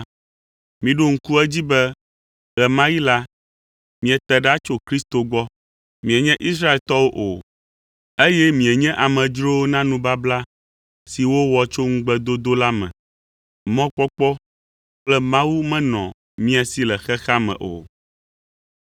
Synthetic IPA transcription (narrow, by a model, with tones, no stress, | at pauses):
mĩ˨ɖo˦ŋ̩˦ku˦ɛ˦d͡ʑi˦bɛ˦ | ɣɛ˨mã˦ji˦la˦ | mĩ˨ɛ˨t̪ɛ˨ɖa˦t͡ʃo˦kɾi˦st̪o˨ɡ͡bɔ˦ | mĩ˨ɛ˨ɲɛ̃˦ʔi˦s̬ɾa˦e˨lt̪ɔ˦wo˦ʔo˨ | e˦jɛ˦mĩ˨ɛ˨ɲɛ̃˦ʔa˨mɛ̃˨d͡ʒɾo˦nã˦nũ˦ba˦bla˦ | si˨wo˦wɔ˨t͡ʃo˦ŋũ˦ɡ͡bɛ˦d̪o˦d̪o˦la˦mɛ̰̃˨ | mɔ̃˦k͡pɔ˦k͡pɔ˦ | k͡plɛ˦mã˦wu˦mɛ̃˦nɔ̰̃˨ | mĩ˦a˨si˦lɛ˨xɛ˦xa˦mɛ̰̃˨ʔo̰˨